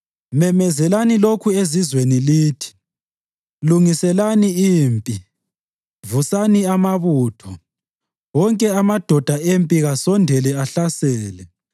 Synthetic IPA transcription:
mɛmɛzɛlanilokʰuezizweniliːtʰi̥ | luŋisɛlaniiːmpʼi | vusaniamaβuːtʰɔ | wɔŋkʼɛamad̥ʱɔd̥ʱaempʼiɣasɔndʱɛlɛaɬasɛːlɛ

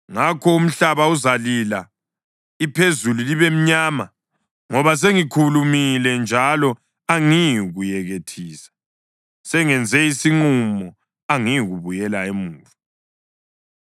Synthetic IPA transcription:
ŋakʰɔum̩ɬaβauzalila | ipʰezululiβem̩ɲaːma | ŋɔβas̬eŋikʰulumilɛnd͡ʒʱalɔ | aŋijiɣujɛɣetʰiːsḁ | sɛŋɛnd͡zʱɛisiŋ͡ǃumɔ | aŋijiɣuβujɛlaemuːvu

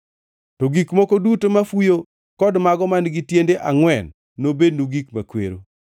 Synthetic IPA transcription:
tɔɡikmɔkodutomafujo | kɔdmaɡɔmanɡitjendeʔaŋwɛnː | obednuɡikma̰kwḛɾo̰

